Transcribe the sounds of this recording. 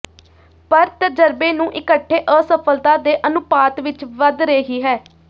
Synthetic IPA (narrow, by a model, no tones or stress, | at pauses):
pəɾt̪əd͡ʒəɾbeːnũːʔɪkəʈʰːeːʔəsəpʰəlt̪aːd̪eːʔənʊpaːt̪ʋɪt͡ʃʋəd̪ɾeːɦiːɦɛː